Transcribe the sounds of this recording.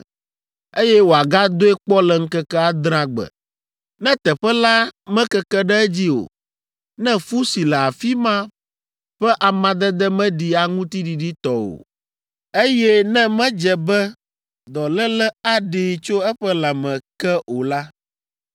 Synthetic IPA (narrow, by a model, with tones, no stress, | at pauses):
e˦jɛ˦wo˨a˨ɡa˦d̪o˦ɛ˦k͡pɔ˦lɛ˨ŋ̩˦kɛ˦kɛ˦a˦d̪ɾ̃ã˦ɡ͡bɛ̰˨ | nɛ̃˦t̪ɛ˨ɸɛ˦la˦mɛ̃˦kɛ˦kɛ˦ɖɛ˦d͡ʑi˦o̰˨ | nɛ̃˦fu˦si˨lɛ˨a˨fi˦mã˦ | ɸɛ˦ʔa˨mã˨d̪ɛ˦d̪ɛ˦mɛ̃˦ɖi˨a˨ŋũ˦t̪i˦ɖi˨ɖi˦t̪ɔ˦wo̰˨ | e˦jɛ˦nɛ̃˦mɛ̃˦d͡ʒɛ˨bɛ˦ | d̪ɔ˨lɛ˦lɛ˦a˦ɖe˨t͡ʃo˦ɛ˦ɸɛ˦la˨mɛ̃˨kɛ˦o˨la˦